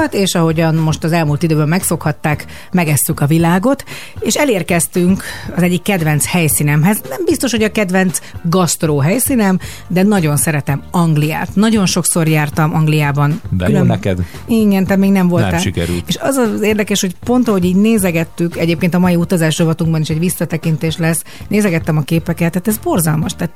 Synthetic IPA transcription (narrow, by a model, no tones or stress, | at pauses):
t̪eːʃɒɦo̞ɟɒnmo̞ʃt̪ɒzɛlmuːlt̪id̪øːbɛmmɛkfo̞khɒt̪ːaːk | mɛɡɛst̪ykɒvilaːɡo̞t̪ | eːʃɛleːrkɛst̪yŋkɒzɛɟːikːɛd̪vɛnt̪shɛjsiːnɛmɦɛznɛmbist̪o̞ʃho̞ɟɒkɛd̪vɛnt̪sɡɒst̪ɾoːɦɛjsiːnɛm | d̪ɛnɒɟo̞nsɛɾɛt̪ɛmɒŋɡlija̰ːt̪nɒɟo̞nʃo̞kso̞rjaːrt̪ɒmɒŋɡlijaːbɒnkkylømɛkɛd̪ | iɡɛnt̪at̪meːɡnɛɱvo̞lt̪aʃikɛ̰ɾy̰lt̪eːʃɒzɒzeːrd̪ɛkɛʃho̞cpo̞nt̪ɒɦo̞ɟiːɟneːzɛɡɛt̪ːykɛɟeːpkeːnt̪̬ɒmɒjiut̪ɒzaːʃrovɒt̪uŋɡbɒniʃɛɟʋisːɒt̪ɛkint̪eːʃlɛs | neːzɛɡɛt̪ːɛmɒkeːpɛkɛt̪ːaːt̪ɛzbo̞rzɒlmɒʃt̪ɛːt̪